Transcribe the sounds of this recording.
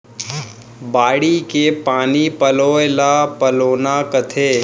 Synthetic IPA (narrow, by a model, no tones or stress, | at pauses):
baːɽikepaːnipəloːelapəloːnakət̪ʰeː